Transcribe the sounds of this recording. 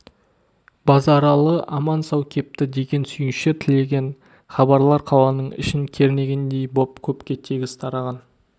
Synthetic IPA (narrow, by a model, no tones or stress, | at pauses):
bɑzɑɾɑlˠəʔɑmɑnsɑwkʲʰe̞p̚t̪ɪd̪e̞ɡʲe̞nsʏjɪnʃɪt̪ʰɪle̞ɡʲe̞n | χɑbɑɾlˠɑɾqʰɑw̪ˠɑnəɴɪ̰ʃɪŋkʲʰe̞ɾɪne̞ɡʲend̪e̞jbo̞pkʲʰɵpkʲe̞t̪ʰeɡʲɪst̪ʰɑɾɑʁɑn